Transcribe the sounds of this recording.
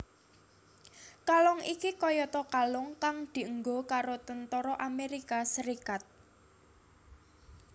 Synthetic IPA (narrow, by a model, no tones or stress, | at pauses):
kalɔŋikikɔjɔt̪ɔkalʊŋkaŋd̪̥i̤əŋɡokaɾot̪ənt̪ɔɾɔʔameɾikasəɾikat̪̚